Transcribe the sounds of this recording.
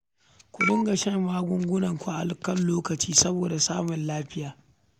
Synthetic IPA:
kʷʊ˨ɗʊ˦ŋɡɐ˨ʃɐ˦mːaː˦ɡʷʊ˦ŋɡʷʊ˦nɐ˨ŋkʷu˦ʔa˨lkɐ˦nloː˦kɐ˨t͡ʃiː˦sɐ˦boː˨da˨saː˦mʊ˨nlaː˦ɸɪ˦jaː˨

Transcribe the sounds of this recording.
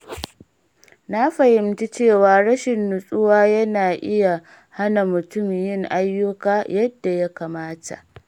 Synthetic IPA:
na˦ɸɐ˨hɪ˨mt͡ʃi˦t͡ʃeː˦˨waː˨ɽɐ˦ʃɪ˨nːʊ˨sʼʊ˦waː˦jɐ˦naː˨ʔɪ˦ja˨ | ha˦na˨mʊ˨tʊ˦m˨jɪ˦ŋʔa˦jːʊ˦kaː˦jɐ˦dːa˨ja˦kaː˨maː˦ta̰˨ʔ

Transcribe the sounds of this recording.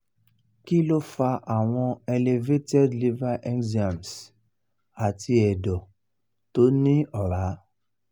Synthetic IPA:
ki˦lo˦fa˧ʔa˨w̃ɔ̃˧e˧le˧ve˦tɛ˦dli˦va˦ʔɛ̃˦ndi˨ã˨ms | a˨ti˧ɛ˨dɔ˨ | to˨˦nĩ˦ɔ˨ɾa˨˦

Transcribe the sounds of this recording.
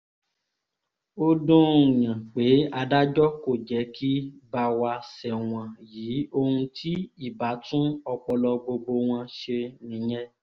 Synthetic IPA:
o˦dõ˦˨j̃ã˨k͡pe˨˦a˧da˦d͡ʒɔ˦ko˦˨d͡ʒɛ˨˦kʰi˦ba˧wa˧sɛ˨w̃ɔ̃˨jiː˨˦o˧hũ˧tʰi˦i˦˨ba˨˦tũ˦ɔ˧k͡pɔ˧lɔ˧ɡ͡bo˧ɡ͡bo˧w̃ɔ̃˧ʃe˧nĩ˨˦j̃ɛ̃˦

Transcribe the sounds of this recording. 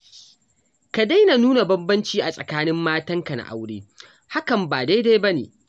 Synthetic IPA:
ka˨da˦jna˨nuː˦na˨bɐ˦mbɐ˦nt͡ʃiː˦ʔa˨sʼɐ̰˨kaː˦nɪ˦mːaː˦tɐ˦ŋka˨na̰˨ʔa̰˦wɽeː˦ | ha˦kɐ˨mbaː˨da˦jda˦jbɐ˦nḛː˨

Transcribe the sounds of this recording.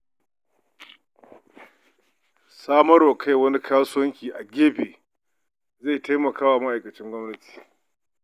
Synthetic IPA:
saː˦mɐ˦ɽoː˨kʰa˦jwɐ˦ni˦kʰaː˦sʊ˦wɐ˦ŋkʲiː˨ʔa˨ɡʲeː˦beː˨ | ze˦˨ta˦jmɐ˨kaː˦waː˨mɐ˦ʔa˨jkɐ˨t͡ʃɪ˦ŋɡʷɔ˦mnɐ˦ti̥ː˨

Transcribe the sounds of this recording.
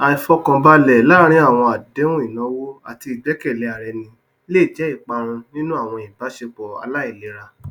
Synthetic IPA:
a˨ĩ˨fɔ˧kã˧ba˦lɛ˨la˦˨ɾ̃ĩ˦a˦˨w̃ɔ̃˧a˨de˦ũ˦i˦˨nã˨˦wo˦a˨ti˧i˨ɡ͡bɛ˨˦kɛ˦˨lɛ˨˧˦a˨ɾɛ˨nĩ˧ | le˦˨d͡ʒɛ˨˦i˦˨k͡pa˧ɾ̃ũ˧nĩ˦nũ˦a˦˨w̃ɔ̃˧i˨ba˨˦ʃe˧k͡pɔ˨a̰˧la˦i˦˨le˨˦ɾa˧

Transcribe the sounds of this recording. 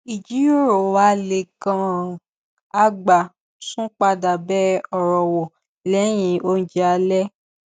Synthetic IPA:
i˨d͡ʒi˨˦jo˦ɾo˨wa˨˦le˨ɡã˨ | a˨ɡ͡ba˨ | sũ˦k͡pa˧da˨bɛ˦ɔ˨ɾɔ˨wɔ˨ | lɛ˨˦j̃ĩ˧˦o˦n̩˦d͡ʒɛ˦a˧˦lɛ˦

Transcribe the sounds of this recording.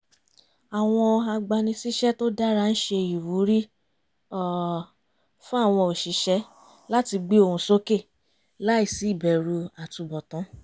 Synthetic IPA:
a˨w̃ɔ̃˧a˧ɡ͡ba˧nĩ˧si˦ʃɛ˦to˦da˦ɾa˦˧n̩˦ʃe˧ji˨wu˨˦ɾi˦ | ɔ˦˨ | fũ˦a˦˨w̃ɔ̃˧o˨ʃi˨˦ʃɛ˨˦ | la˦ti˧ɡ͡be˦o˦˧˨ũ˧so˦ke˦˨ | la˦i˦˨si˨˦i˦˨bɛ˨ɾu˧a˨tũ˧bɔ˨tɔ̃˨˦

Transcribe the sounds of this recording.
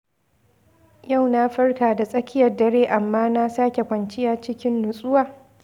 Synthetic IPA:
ja˦˨wna˦ɸɐ˦rkaː˨da˨sʼɐ˦kʲɪ˦jɐ˨rdɐ˦ɽeː˦ʔa˨mːaː˦na˦saː˦kʲe˨kʷɐ˨nt͡ʃɪ˦jaː˨t͡ʃɪ˦kʲɪ˦nːʊ˨sʼʊ˦waː˨

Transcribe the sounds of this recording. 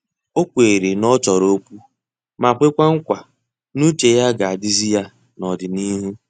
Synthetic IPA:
o˦kʷe˨ɾe˨nɔ˦t͡ʃɔ˨ɾo˦pu˦ | ma˨kʷe˦kʷa˦ŋ̩˦kʷa˨ | nu˦t͡ʃe˨ja˦ɡa˨a˨dɪ˦zi˦ja˦ | nɔ˨dɪ˨ni˦ɦu˦

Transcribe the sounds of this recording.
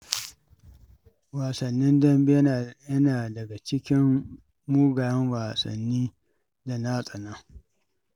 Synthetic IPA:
waː˨sɐ˨nːɪ˦ndɐ˦mbi˦jjɐ˦naː˨dɐ˨ɡa˨t͡ʃɪ˦kʲɪ˦m | muː˦ɡaː˨jɐ˦nwaː˨sɐ̰˨nːiː˦ | da˨na˦sʼɐ˨naː˦

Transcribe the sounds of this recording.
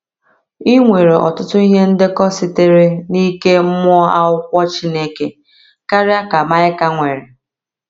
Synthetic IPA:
i˦ŋʷe˨ɾe˨ʔɔ̰˨tʊ˦tʊ˦i˦ɦe˦n̩˦dɪ˦kɔ˦sɪ˦te˦ɾe˦ni˦ke˦mʊ˦ɔ˦a˦ʊ˦kʷɔ˦t͡ʃi˦ne˦ke˦ | ka˦ɾɪ˦a˦ka˨ma˦ɪ˦ka˦ŋʷe˨ɾɪ˨

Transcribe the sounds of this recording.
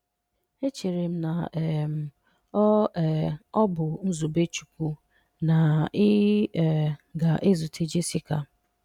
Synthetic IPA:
e˦t͡ʃe˨ɾe˨m̩˦na˨ɛ˨m̩˨ | ɔ˦ɛ˨ɔ˦bʊ˨n̩˦zu˨be˦t͡ʃu̥˨ku˦ | na˨ɪ˦˨ | ɡa˨ʔe˦zu˨tʰe˦d͡ʒe˦si˦ka˨

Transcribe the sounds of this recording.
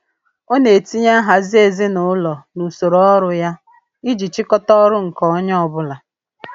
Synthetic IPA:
o˦ne˨e˨ti˦ɲa˦ɦa˨zi˦e˨zi˦nʊ˨ʊ˦lɔ˨nu˨so˨ɾɔ˦ɾʊ˦ja˦ | i˦d͡ʒi˨t͡ʃi˦kɔ˦tɔ˦ɾʊ˦ŋ̩˨kɔ˦ɔ˦ɲ˦ɔ˨bʊ˦la˨

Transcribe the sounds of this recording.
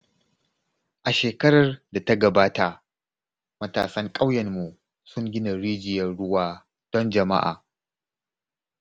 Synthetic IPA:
ʔa˨ʃeː˨kɐ˦ɾɐ˨rda˨tɐ˦ɡɐ˨baː˦ta˨ | mɐ˦ta̰ː˨sɐ˦ŋkʼa˦wjɛ˨rmu˨ | sʊ˦ŋɡʲɪ˦na˨ɽiː˦d͡ʒɪ˨jɐ˦nɽʊ˦waː˦ | d̥ɔ˦nd͡ʒɐ˨ma̰˦ʔa̰ː˨

